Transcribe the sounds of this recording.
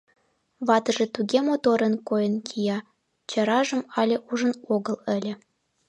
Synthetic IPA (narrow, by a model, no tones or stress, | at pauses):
βɑt̪ɤ̆ʒĕt̪uɣʲemot̪oɾə̆nkojə̆nkʲʰijɑ | t͡ɕɤ̆ɾɑʒə̆mɑlʲeʔuʒə̆noɣɤ̆lə̆lʲĕ